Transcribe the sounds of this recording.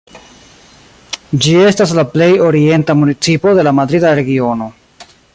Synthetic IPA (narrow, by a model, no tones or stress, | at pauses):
d͡ʒie̞stas̬laple̞jo̞ɾie̞ntamunit͡sipo̞de̞lamadɾidaɾe̞ɡio̞no̞